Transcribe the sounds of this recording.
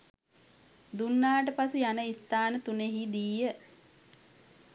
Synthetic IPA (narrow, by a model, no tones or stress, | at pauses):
d̪unːaːʈ̬əpasujanəist̪aːnət̪uneɦid̪iːə